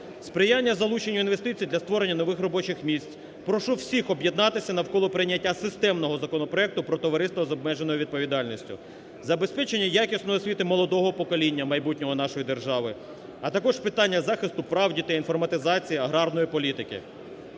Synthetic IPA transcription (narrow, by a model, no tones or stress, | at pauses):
spɾɪjanʲːɐzɐlˠut͡ʃenʲːɐinʋe̞st̪ɪt͡sʲijd̪lʲɐst̪ʋɔɾe̞nʲːɐnɔʋɪxrɔbɔt͡ʃɪxmʲisʲt͡sʲ | pɾɔʃuwsʲixɔbjed̪nɑt̪ɪsʲɐnɐwkɔlˠɔpɾɪnʲːɐtʲːasɪst̪ɛmnɔɦɔzɐkɔnɔpɾɔɛk̚t̪ʊpɾɔt̪ɔʋɐɾɪst̪ʋɐzɔb̚mɛʒenɔjʊʋʲid̪̚pɔʋʲid̪ɑlʲnʲisʲtʲʊ̰ | zɐbe̞spɛt͡ʃenʲːɐjakʲisnɔjɔsʲʋʲit̪ɪmɔlˠɔd̪ɔɦɔpɔkɔlʲinʲːɐmɐjbutʲnʲɔɦɔnɑʃɔjid̪erʒɑʋɪ | ɐt̪ɐkɔʒpɪt̪ɑnʲːɐzɑxɪst̪ʊpɾɑwdʲit̪ɐinfɔrmɐt̪ɪzɑt͡sʲijiɐɦɾɑrnɔjipɔlʲit̪ɪkɪ̰